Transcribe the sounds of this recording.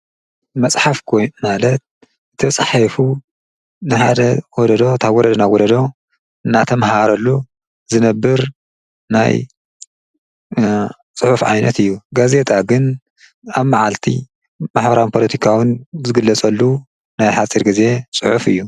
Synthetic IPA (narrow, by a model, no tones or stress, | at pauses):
mɐt͡sʼħafkʰojmalɐt̪̚ | ɨt̪ʰɐt͡sʼħafu | nɨħad̪ɐwɔd̪ɐd̪ot̪ʰaβwɔɾɐd̪ɐnawɔd̪ɐd̪o̞ | ɨnːat̪ʰɐmɦaɾɐlːu | zɨnɐbːɨɾ | na̰j | t͡sʼɨħufʕa̰jnɐt̪ɨjːuɡaze̞t̪ʰʼaɡɨn | aβmaʕalt̪ʰḭ | maħbɐɾawnpʰo̞lɐt̪ʰikʰawɨnzɨɡɨlːɐt͡sʼɐlːu | najħat͡sʼiɾɡize̞t͡sʼɨħufɨjːu